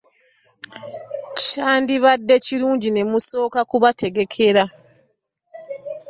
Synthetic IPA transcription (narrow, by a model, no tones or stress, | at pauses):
ʃaːndiβadːe̞ciɾuːɲɟine̞muso̞ːkakuβate̞ɡe̞kʰe̞ɾa